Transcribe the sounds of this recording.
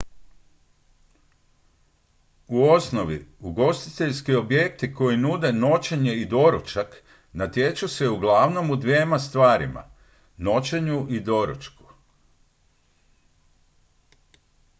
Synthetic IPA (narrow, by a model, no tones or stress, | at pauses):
uo̞sno̞ʋḭuɡo̞st̪i̥t̪e̞ʎskio̞bje̞k̚t̪iko̞jinud̪e̞no̞t͡ʃe̞ɲe̞id̪o̞ɾut͡ʃak | nat̪je̞t͡ʃuse̞uɡlˠaʋno̞mud̪ʋje̞ːmast̪ʋaːɾima̰ | no̞t͡ɕe̞ɲuʔid̪o̞ɾṵt͡ʃku̥